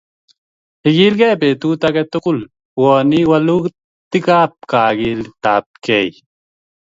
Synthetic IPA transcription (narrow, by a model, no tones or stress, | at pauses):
hiɡilkepeːt̪uːt̪ɐket̪ukul | woːniwɐluk | t̪ikaːp̚kaːɡiːlt̪aːp̚kei